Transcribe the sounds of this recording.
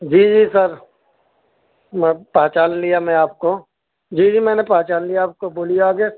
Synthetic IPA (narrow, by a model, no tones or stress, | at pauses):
d͡ʒiːd͡ʒiːsəɾ | mɛ̃paːt͡ʃaːllijamɛ̃aːp̚ko | d͡ʒiːd͡ʒiːmɛ̃ːnepãːt͡ʃaːnlijaaːp̚koboːlijaːɡeː